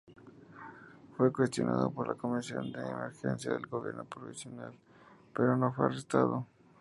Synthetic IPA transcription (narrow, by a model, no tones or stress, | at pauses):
fwe̞kwest̪jo̞̰naðopo̞ɾlako̞misjo̞nd̪eːmeɾxensjaðelɡoβjḛɾno̞pɾoβisjonal | pe̞ɾo̞nofwearest̪aðo